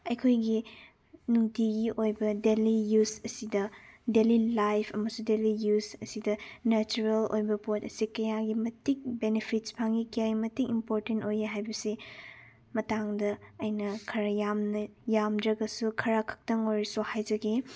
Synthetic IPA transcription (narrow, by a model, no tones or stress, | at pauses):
ɐjkʰojɡi | nuŋtiɡiʔojbɐdelijusɐsidɐdelilajpʰɐmɐsudelijusɐsidɐnɐt͡ʃuɾelo̰jbɐpotɐsikɐjaɡimɐtik̚benepʰit̚spʰaŋikijajimɐtikimpoɾtentojeɦajbɐsi | mɐtaŋdɐɐjnɐkʰɐɾɐjamnɐjamdɾɐɡɐsukʰɐɾakʰɐ̥k̚tɐŋojɾisuhajd͡ʒɐɡe